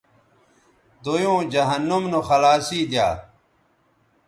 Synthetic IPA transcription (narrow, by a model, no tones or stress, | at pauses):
d̪ojõːd͡ʑɐɦɐnːumnoxɐlaːsiːd̪ja̰ː